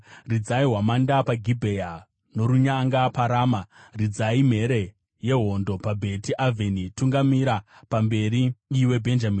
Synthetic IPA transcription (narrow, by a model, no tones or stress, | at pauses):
rid͡zaiɦwamandapaɡʱibʱe̞ja | no̞ɾuɲaŋɡapaɾaːmarid͡zaim̤e̞ɾe̞ | je̞ɦo̞ndo̞pabʱe̞tiʔavʱenituŋɡamiɾapambe̞ɾiːwe̞bʱe̞nd͡ʒamiːn